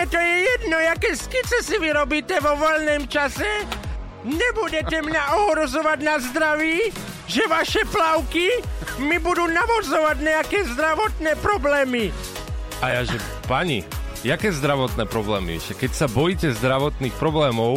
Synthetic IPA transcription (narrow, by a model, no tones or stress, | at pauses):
ɛt̪ɔjɛjɛd̪nɔjakɛːskit͡sɛsiʋiɾɔbiːtɛʋɔʋɔlnɛːmt͡ʃasɛ | ɲɛbuɟɛt̪ɛmɲaɔɦɾɔzɔʋaɟnazd̪ɾaʋiː | ʒɛʋaʃɛplaʊkimibud̪uːnaʋɔzɔʋaɟɲɛakɛːzd̪ɾaʋɔt̪nɛːpɾɔblɛːmi | ajaʒɛ | paɲḭ | jakɛːzd̪ɾaʋɔt̪nɛːpɾɔblɛːmḭɛ̰ʃɛkɛcsabɔjiːcɛzd̪ɾaʋɔt̪niːxpɾɔblɛːmɔʊ